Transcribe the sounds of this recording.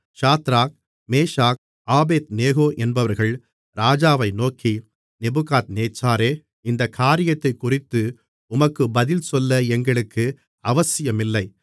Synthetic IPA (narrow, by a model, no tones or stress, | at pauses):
ʂaːt̪ɾaːk̚ | meːʂaːk̚ | aːbeːt̪neːɣoːʔɛnbɐʋɐɾɣɐɭ | ɾaːd͡ʒaːʋɐɪnoːkʰi | nɛbɯɣaːt̪̚neːt͡ʃːaːɾeː | ɪnd̪ɐkʰːaːɾɪjɐt̪ːɐɪkːʊrɪt̪ːɯ | ʊmɐkːɯbɐðɪlsɔlːɐɛŋɡɐɭɯkːɯ | ɐʋɐsɪjɐmɪlːɐɪ